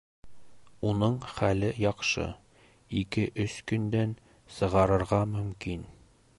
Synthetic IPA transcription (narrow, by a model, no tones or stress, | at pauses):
unɤɴχælɘjɒqʃɤ̰ | ikɘʔɵskɵ̆nd̪æn | sɤ̆ʁɑɾɤ̆ɾʁɑmɵ̆mkin